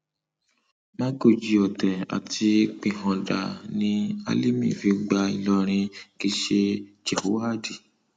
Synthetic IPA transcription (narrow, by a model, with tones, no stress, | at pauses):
mã˦ɡo˧˨d͡ʒi˧ɔ˨tɛ˨a̰˨tʰi˧k͡pĩ˧ɦɔ̃˧da̰˨nĩ˧a̰˧li˦mĩ˦˨fi˨˧˦ɡ͡ba˧i˧lɔ˧ɾ̃ĩ˧ki˧ʃe˧d͡ʒɛ˨ho˨˦a˦˨di˨